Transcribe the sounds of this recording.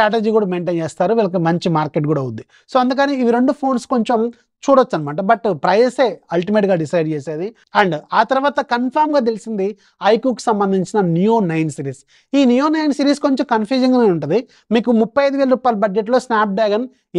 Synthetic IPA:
ʈɾaːʈ̬ed͡ʒiːkuːɽaːmeːɳʈeːnt͡ʃeːst̪aːɾuʋiːlɐk̬imɐɲt͡ʃimaːɾkeʈ̚ɡuːɽaːud̪d̪i | so̞ːɐnd̪uk̬ɐniiʋiɾeɳɖupʰo̞ːnsko̞ɲt͡ʃom | t͡ʃuːɽɐt͡ʃːɐnimaːʈɐbɐʈpɾɐjɐse̞ːɐlʈimeːʈɡaːɖisɐjɖt͡ʃeːseːd̪i | ɐɳɖaːt̪ɐɾɐʋaːt̪ɐkɐnpʰɐːɾmɡaːt̪̬e̞lisind̪i | ɐjkjuːkːi̥sɐmbɐnd̪iɲt͡ʃinɐnjujoːnɐjnsiːɾiːs | iːnjujoːnɐjnsiːɾiːsko̞ɲt͡ʃomkɐnpʰjuːd͡ʒɐŋɡaːneːuɳʈund̪i | miːkumupːɐjɐjd̪uʋeːlɐɾuːpaːjlɐbɐd͡ʒd͡ʒeʈ̬lo̞ːsnaːp̚ɖaːɡɐn

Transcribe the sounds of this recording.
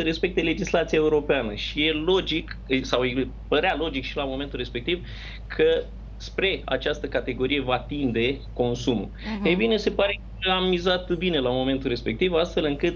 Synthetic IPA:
səɾe̞spe̞k̚t̪e̞le̞d͡ʒislat̪siae̞uɾo̞peanəʃije̞lo̞d͡ʒiksawje | pəɾealo̞d͡ʒikʃilamo̞me̞nt̪ulrɾe̞spe̞k̚t̪iv | kʰə | spɾe̞a̰t͡ʃast̪əkat̪e̞ɡo̞ɾije̞vat̪ind̪e̞ | ko̞nsumṵ | ejbine̞se̞paɾe̞ | əamːizat̪bine̞lamo̞me̞nt̪ulɾe̞spe̞k̚t̪ivast̪fe̞lɨŋkɨt̪

